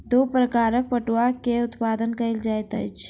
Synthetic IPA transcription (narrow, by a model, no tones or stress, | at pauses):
d̪oːpɾəkaːɾək̚pəʈuakeʊt̪paːd̪ənkəɪld͡ʒaːjt̪ə̰jt͡ʃʰ